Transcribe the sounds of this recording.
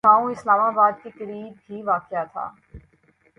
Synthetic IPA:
ãːõɪslaːmaːbaːd̪̚kekəɾiːb̚ɦiʋaːkɪjat̪ʰa̰ː

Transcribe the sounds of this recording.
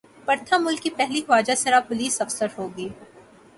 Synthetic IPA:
pɐɾt̪ʰamʊlkːipɛɦlixaːd͡ʒasɐɾapʊliːsɐfsəɾɦoːɡiː

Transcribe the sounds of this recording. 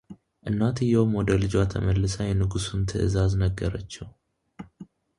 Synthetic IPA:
ʔɨnːat̪ʰɨjːɛwmwɔd̪əlɨd͡ʒat̪ʰəməlːɨsəjɛnɨɡusunt̪ʰə̰ʔɨ̰zaznəɡːəɾət͡ʃːɛw

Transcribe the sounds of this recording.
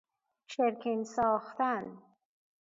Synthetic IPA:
ʃʰeɾkʰinsɒːxt̪æn

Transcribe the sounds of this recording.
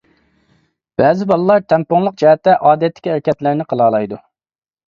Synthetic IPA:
b̥ɛːzɪbɑlˠɨlˠɑɾt̪ʰɛmpoŋlˠəq̚d͡ʒɛhɛt̪ːɛʔɑːd̪ɛt̪ːɪ̥kʲiæɾɛkʲɛt̪læɾnɪqʰəlˠɑːlˠɑjd̪u

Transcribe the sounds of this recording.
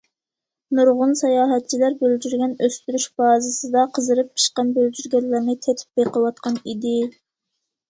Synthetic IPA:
nuɾʁʊnsɑjɑːɦɛt̪̚t͡ʃʰilæɾbøld͡ʒyɾɡʲɛnøst̪yɾyʃbɑːzɨsɨd̪ɑqʰəzɨɾɨp̚i̥ʃqɑnbøld͡ʒyɾɡʲɛlːæɾnɪt̪ʰɛt̪ʰy̥p̚beqʰəwɑt̪̚qʰɑnid̪ɪ

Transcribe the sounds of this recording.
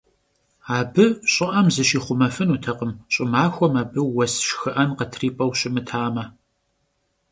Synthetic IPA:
aːbɨɕʼɪʔɐmzɨɕiːχʷʊmɐfɨnuːtʰɐqəmɕʼɪmaːxʷɔmaːbɨwɐsʃxɨʔɐnqɐtʰriːpʼɐwɕʼɪmɨtʰaːmɐ

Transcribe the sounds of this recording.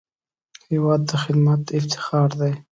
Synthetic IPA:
hɪwɑːd̪ːəxɪd̪mat̪ɪft̪ʰɪ̥xɑːɾd̪aj

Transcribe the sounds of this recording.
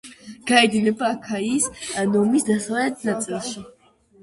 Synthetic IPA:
ɡ̥aɛd̪ilɛbaːkʰaiːsanɔmisd̪asvalɛt̪̚ʰnat̪sʼilˠʃi

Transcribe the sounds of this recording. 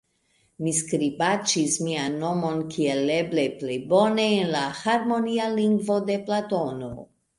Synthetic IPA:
miskɾibat͡ʃismianːo̞mo̞nkʰielːebleplejbo̞neːnlahaɾmo̞nialiŋɡvo̞d̪e̞plat̪ono̰

